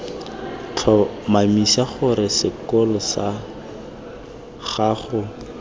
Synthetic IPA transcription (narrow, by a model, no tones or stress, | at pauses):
t͡ɬʰɔmamisaχʊɾɪsɪkɔlɔsa | χaːχʊ